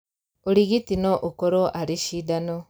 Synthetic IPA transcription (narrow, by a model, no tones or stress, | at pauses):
oɾiɣitinoʔokoɾoʔaɾiʃidano